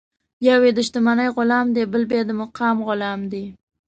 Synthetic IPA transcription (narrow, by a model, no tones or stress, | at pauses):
jawed̪ɪʃt̪ɪmanajʁʊlamd̪ebɪlbed̪ɪmɨqʰɑmʁʊlamd̪e